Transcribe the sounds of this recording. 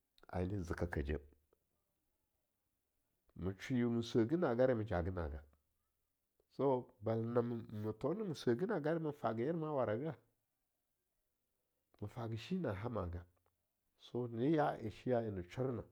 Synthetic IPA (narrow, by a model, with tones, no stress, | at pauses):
a̰˨ni˦zi˨ka˨ka˨d͡ʒḛ˦ | mu˨t͡ʃi˨ju˨mu˨sʷə˨ɡi˦na˨ɡa˦ɾi˦mi˨d͡ʒa˨ɡi˦na̰˨ɡa˨ | so˦ba˨lna˨m˨mu˨to˦ni˦mu˨sʷə˨ɡi˦na˨ɡa˦ɾi˦mə˨fa˨ɡi˨ji˦ɾma˦wa˨ɾa˨ɡə˦a˦ | mə˨fa˨ɡi˨ʃi˦na˨ɦa˦ma˨ɡa˨ | so˦ni˦ja˦ʔḭ˨ʃi˦ja˦i˨ni˨t͡ʃi˦ɾna˨